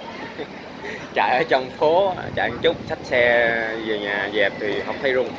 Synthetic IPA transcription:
t͡ɕa̰ː˧˩jʔəː˨˧˩t͡ɕɔ˧wŋ͡mfo˨˦t͡ɕa̰ː˧˩˨ŋt͡ɕʊ˦˥k͡p̚sa˦˥t̚sɛ˧zəː˨˩ɲaː˨˩zɛ˨˩p̚t̪ʰi˨˩ɦə̰˨˩wk͡p̚t̪ʰə˨˦jlu˧˩ŋ

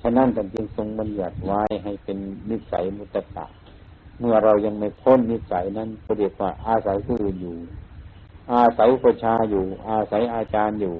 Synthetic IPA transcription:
sʰa˧na˧˥˨nka˧˩˨nt͡ɕɯ˧ŋso˧˩ŋba˧˦nlɯ˧˩ət̪̚waː˧˥˨jɦa˨˩jpe˨nːi˧˥t̪̚sa̰˨˦jmu˧˦t̪ːa˧ka̰ː˨˩n | mɯ˧˩ɐɾa˧wɲa˧ŋma˧˩jpʰo˧˥˨nːi˧˩t̪̚sa̰˨˦jna˧˥˨nkʰɔː˧di˧˩ək̚waː˧˩ʔaː˧sa˨˦jkʰɯː˧˨ʔɯː˨˩njuː˨˩ | ʔaː˧˩sa˨˦jpʰɔː˧˩t͡ɕʰaː˧juː˨˩ʔaː˧sa˨˦jʔaː˧t͡ɕaː˧njuː˨˩

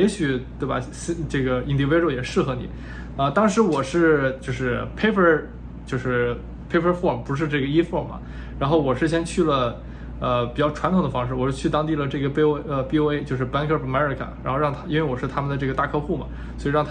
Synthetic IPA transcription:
jɛ˧˥ɕy˨˩t̪we˥˩ɐ̰˩ɕʈ͡ʂɤ˥˩ɡə˩i˥˩nt̪i˧˥we˥ɻo˥˩ʊjɛ˨˩ʂɻ̩˥˩xɤ˧˥nḭ˨˩˦ | ə˧t̪ɑ˥ŋʂɻ̩˧˥wɔ˨˩ʂɻ̩˥˧t͡ɕjo˥˧ʊʂɻ̩˥˩pʰe˥ɪpʰə˧˥ | t͡ɕjo˥˧ʊʂɻ̩˥˩ | pʰe˥ɪpʰə˧˥fɔ˥˩mpu˧˥ʂ̬ɻ̩˥˧ʈ͡ʂɤ˥˩ɡə˩i˥fɔ˥˩mmɐ̰˩ | ɻa˧˥nxo˥˩ʊwɔ˨˩ʂɻ̩˥˩ɕ̬jɛ˥nt͡ɕʰy˥˩lə˩ | ə˧pi˨˩t͡ɕjɑ˥˩ʊʈ͡ʂʰwa˧˥nʰ˨˩ŋd̪ə˧fɑ˥ŋʂɻ̩˥˩wɔ˨˩˥t͡ɕʰy˥˩t̪ɑ˥ŋt̪i˥˩lə˩ʈ͡ʂɤ˥˩ɡə˩˥ə˧pi˥o˥ʊe˥ɪt͡ɕjo˥˧ʊʂ̬ɻ̩˥˩pa˥nkʰə˥˩˨ma˥ə˞˨˧˥kʰa̰˨˩˦nɻa˧˥xo˥˧ʊɑ˥˩ŋt̪ʰa˥i˥nwe˥˩ɪwɔ˨˩ʂɻ̩˥˩t̪ʰa˥mə˨nd̪ə˩ʈ͡ʂɤ˥˩ɡə˩t̪a˥˧kʰɤ˥˧xu˥˩mɐ̰˩ | swɔ˧˥i˨˧ɻɑ˥˩ŋt̪ʰ

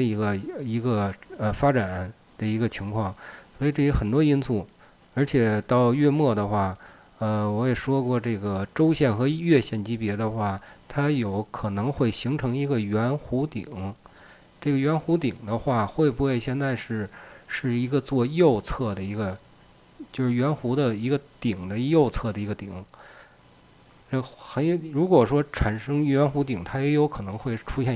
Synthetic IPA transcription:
i˧˥ɡə˧i˧˥ɡə˧ə˧fa˥ʈ͡ʂa˨˩˦n | d̪̥ə˧i˧˥ɡə˧t͡ɕʰi˧˥ŋkʰwɑ˥˩ŋswɔ˧˥i˨˩ʈ͡ʂɤ˥˩jɛ˧˥xə˨˩nt̪wɔ˥i˥nsu˥˩ | ə˞˧˥t͡ɕʰjɛ˨˩˦t̪ɑ˥˧ʊɥɛ˥˧mwɔ˥˩d̪ə˩xwa˥˩ | ə˧wɔ˧˥jɛ˨˩ʂwɔ˥kwɔ˥˧ʈ͡ʂɤ˥˩ɡə˩ʈ͡ʂo˥ʊɕjɛ˥˩nxɤ˧˥ɥɛ˥˧ɕjɛ˥˩nt͡ɕi˥pjɛ˧˥d̪ə˧xwa˥˩t̪ʰa˥jo˨˧˩ʊkʰɤ˨˩nɤ˧˥ŋxwe˥˩ɪɕi˧˥ŋʈ͡ʂʰɤ˧˥ŋi˧˥ɡə˧ɥɛ˧˥nxu˧˥t̪ḭ˨˩˦ŋ | ʈ͡ʂɤ˥˩ɡə˩ɥɛ˧˥nxu˧˥t̪i˨˩ŋd̪ə˦xwa˥˩xwe˥˩ɪbu˧˩xwe˥˧ɪɕjɛ˥˧nt͡sa˥˧ɪʂɻ̩˥˧ʂɻ̩˥˩i˧˥ɡə˧t͡swɔ˥˧jo˥˧ʊt͡sʰɤ˥˩d̪ə˩i˧˥ɡə˧ | t͡ɕjo˥˧ʊʂɻ̩˥˩ɥɛ˧˥nxu˧˥d̪ə˧i˧˥ɡə˧t̪i˨˩ŋd̪ə˦jo˥˧ʊt͡sʰɤ˥˩d̪ə˩i˧˥ɡə˧t̪ḭ˨˩˦ŋ˥˧˩ | xə˧˥n˧ɻu˧˥kwɔ˨˩ʂwɔ˥ʈ͡ʂʰa˨˩nʂɤ˥ŋɥɛ˧˥nxu˧˥t̪i˨˩ŋt̪ʰa˥jɛ˧˥jo˧˥ʊkʰɤ˨˩nɤ˧˥ŋxwe˥˩ɪ˧ʈ͡ʂʰu˥ɕjɛ˥˧

